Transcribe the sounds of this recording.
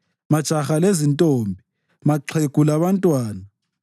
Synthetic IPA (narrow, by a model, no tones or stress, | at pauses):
mad̥ʒ̥ʱaxalezintʼoːmbʱi | maǁʰek̬ʼulaβantʼwaːna